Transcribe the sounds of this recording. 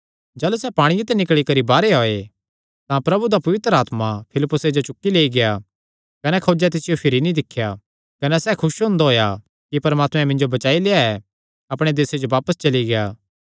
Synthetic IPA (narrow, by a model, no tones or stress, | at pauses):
d͡ʒaːlusɛpaːɽ̃iɪt̪ɛnɪkɭikɐɾibaːɾeɦoːe | t̪ãpɾɐbud̪apɐʋɪt̪ɾəaːt̪mapʰɪlɪpːʊsed͡ʒot͡ʃʊkːileːiɡɪja | kɐnɛkʰoːd͡ʒɛt̪ɪsɪjopʰɪɾinĩd̪ɪkʰːja | kɐnɛsɛkʰʊʃɦõːnd̪aɦoːja | kipɐɾmaːt̪mɛ̃mɪ̃ɲd͡ʒobɐt͡ʃaːileːaɛ | ɐpɽ̃ed̪eːsed͡ʒoʋaːpəst͡ʃɐliɡɪjaː